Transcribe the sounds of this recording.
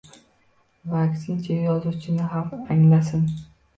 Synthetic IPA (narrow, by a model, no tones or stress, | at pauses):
vaksɪnt͡ʃʰajɒzut͡ʃʰɪnɪɦamaŋlasɪn